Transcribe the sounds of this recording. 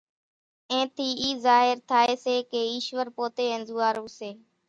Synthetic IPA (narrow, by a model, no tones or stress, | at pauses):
ẽːt̪ʰiːiːzaːɦɪɾt̪ʰaːeːseːkeːiːʃʋəɾpoːt̪eːənzuːaːɾuːseː